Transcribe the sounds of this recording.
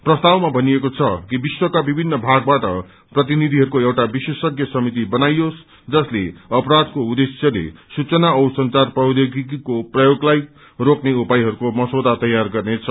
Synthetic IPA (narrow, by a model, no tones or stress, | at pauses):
prʌst̪awmabʱʌnijekot͡sʰʌkibiswʌkabibʱinːʌbʱaɡ̚baʈʌ̰ | prʌt̪̬inid̪ʱiɦʌɾukoewʈabisesʌkjʌsʌmit̪ibʌnajos | d͡zʌsleʌpɾad̪koud̪esjʌlḛsut͡sʌnaʌwsʌnt͡sarprʌd̪eɡikikoprʌjoɡlaj | rokneupajɦʌɾukomʌswod̪ʱat̪ʌjarɡʌrnet͡sʰʌ